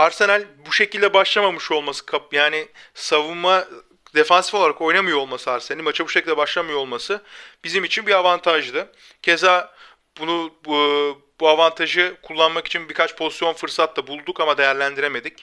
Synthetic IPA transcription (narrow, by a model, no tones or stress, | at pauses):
aɾse̞nælʲbuʃe̞cilʲd̪ɛbaʃlˠamamɯʃo̞lˠmasɯ̥kʰajaːnisavunma | d̪e̞fansi̥foaɾako̞jnamɯjoolˠmasɯaɾsenɛnʲimat͡ʃʰabuʃecʰʲilʲd̪ɛbaʃlˠamɯjoolˠmasɯb̥izimit͡ʃʰinbiavant̪ʰaʒd̪ɯ | cʰe̞za | bunu | buavant̪ʰaʒɯkʰulˠːanmaki̥t͡ʃʰinbiɾkʰat͡ʃpʰo̞zisjo̞nfɯɾsat̪labulˠd̪ukamad̪e̞jæɾlʲænd̪iɾe̞me̞d̪ic